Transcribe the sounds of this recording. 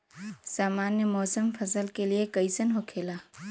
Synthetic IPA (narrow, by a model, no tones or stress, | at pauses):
saːmaːnjəmɔːsəmfʰɐsəlkeliekəɪsənɦokʰeːlaː